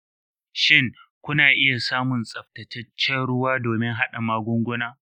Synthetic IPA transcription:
ʃɪ˦˨ŋkʷʊ˦naː˨ʔɪ˦ja˨saː˦mʊ˨nsʼɐ˨ɸtɐ˨tʰɐ˦t͡ʃːɛ˦nɽʊ˦waː˦doː˨mɪ˦ŋɦa˦ɗa˨maː˦ɡʷʊ˦ŋɡʷʊ˦naː˦

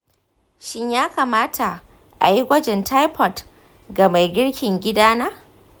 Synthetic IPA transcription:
ʃɪ˦ɲjaː˦kaː˨maː˦tʰa˨ | ʔa˨ji˦ɡʷɐ˦d͡ʒɛ˨ntʰa˦jpʰɔ˨t | ɡa˨ma˨jɡʲɪ˦ɽkʲɪ˨ŋɡʲɪ˦daː˦naː˦

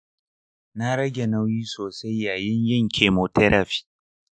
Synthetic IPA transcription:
na˦ɾɐ˦ɡʲe˨nɐ˦wjiː˦soː˨sa˦jːaː˨jɪ˦ɲjɪ˦˨ŋkʲʰeː˨moː˨tɛ˦ɾʔa˨ɸi̥ː˦

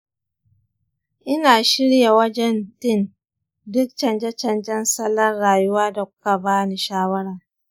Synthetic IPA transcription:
ʔɪ˦naː˨ʃɪ˦ɽja˨wɐ˦d͡ʒɛ˦ntɪ˦n | dʊ˦k̚t͡ʃɐ˨nd͡ʒɛ˦t͡ʃɐ˨nd͡ʒɛ˦nsɐ˦lːɐ˦rɽaː˨ju˦waː˦da˨kʷʊ̥˦ka˨baː˦ni˨ʃaː˦wɐ˦ɽa˨

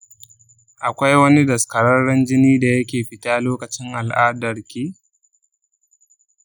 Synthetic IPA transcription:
ʔa˨kʷa˦jwɐ˦ni˦dɐ˨skɐ˨ɽɐ˦ɽɽɐ˦nd͡ʒɪ˦niː˦da˨jɐ˦kʲeː˨ɸɪ˦taː˦loː˦kɐ˨t͡ʃɪ˦ŋʔa˨lʔaː˦dɐ˨rkʲiː˦

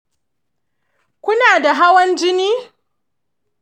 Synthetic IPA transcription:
kʷʊ˦naː˨da˨ɦa˦wɐ˦nd͡ʒɪ˦niː˦

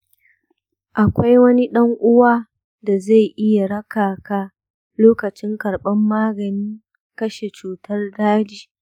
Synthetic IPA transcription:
ʔa˨kʷa˦jwɐ˦ni˦ɗɐ˦ŋʔʊ˦waː˦ | da˨za˦˨jʔɪ˦ja˨ɽɐ˦kaː˨kaː˦ | loː˦kɐ˨t͡ʃɪ˦ŋkɐ˨ɽɓɐ˦mːaː˦ɡɐ˨nɪ˦ŋ | kɐ˦ʃe˨t͡ʃuː˦tɐ˦rdaː˦d͡ʒiː˨

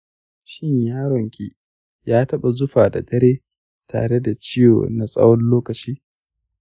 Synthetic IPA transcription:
ʃɪ˦ɲjaː˦ɽɔ˨ŋkʲiː˦ | jaː˦tɐ˦ɓa˨zʊ˦ɸaː˨da̰˨dɐ˦ɾeː˦ | tʰa̰ː˨ɽe˦da˨t͡ʃɪ˦jo̰ː˨na˨sʼɐ̰˦wɔ˦nloː˦kɐ˨t͡ʃiː˦

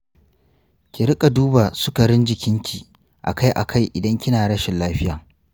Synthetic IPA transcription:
kʲɪ˨ɾɪ˦kʼa˨duː˦baː˨sʊ˦ka˨ɽɪ˦nd͡ʒɪ˨kʲɪ˦ŋkʲiː˨ | ʔa̰˨ka˦jʔa̰˨kʰa˦˨jʔɪ̰˨dɐ˦ŋkʲɪ˦naː˨ɽɐ˦ʃɪ˨nlaː˦ɸɪ˦jaː˨

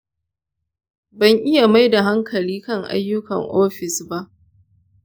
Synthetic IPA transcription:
bɐ˦˨ŋʔɪ˦ja˨ma˦jda˨ɦa˦ŋkʰɐ˨liː˦kɐ˦ŋʔa̰˦jːʊ˦kɐ̰˨ŋʔoː˦ɸɪ˨sba˦ʔ

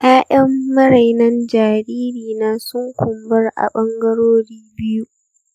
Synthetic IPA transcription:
ʔaː˦ʔɐ˦mːɐ˦ɾa˨jnɐ˦nd͡ʒaː˨ɾiː˦ɾiː˨naː˦sʊ˦ŋkʷʊ˨mbɐ˦rʔa̰˨ɓɐ˦ŋɡɐ˦ɽoː˦ɽiː˦bɪ˦ju˦

